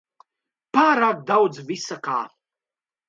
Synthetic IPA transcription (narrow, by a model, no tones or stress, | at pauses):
paːɾaːk̚d̪awd̪zvisaka̰ː